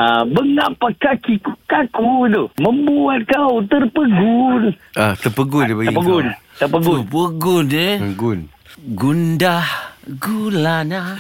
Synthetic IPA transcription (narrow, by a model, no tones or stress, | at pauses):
abəŋaʔpakakikukakudoməmbuat̪̚kaut̪ərpəɡunat̪ərpəɡʊnbaɡipəɡunt̪ərpəɡupəɡʊneəɡun | ɡundahɡulana